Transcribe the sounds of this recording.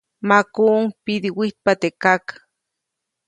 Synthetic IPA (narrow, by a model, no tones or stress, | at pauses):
makuŋpid̪iwit̪̚pat̪ekakḁ